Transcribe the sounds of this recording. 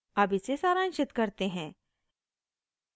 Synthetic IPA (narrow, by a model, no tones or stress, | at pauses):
ɐbʱɪsesaːɾãːnʃɪt̪kɐɾt̪eɦɛ̃ː